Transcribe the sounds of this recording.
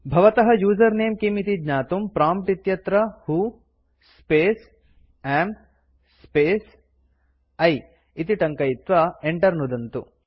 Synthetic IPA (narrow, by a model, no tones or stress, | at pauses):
bʱɐʋɐt̪ɐɦɐjuːd͡ʒɐɾneːmkimit̪idɲaːt̪umpɾaːmp̚ʈit̪jɐt̪ɾɐhu | speːs | em | speːs | ɐj | it̪iʈɐŋkɐjit̪ʋɐeɳʈɐɾnud̪ɐnt̪u